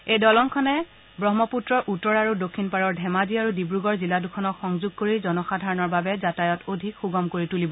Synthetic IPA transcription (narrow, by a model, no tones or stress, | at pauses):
ejdɔlɔŋkʰɔnɛ | bɹɔɦmɔputɹɔɹʔutːɔɹaɹudokʰːinpaɹɔɹdʱɛmaziaɹudibɹuɡɔɹziladukʰɔnɔkxɔŋzuɡ̚koɹizɔnɔxadʱaɹɔnɔɹbabɛzatajɔtodʱikxuɡɔmkoɹitulibɔ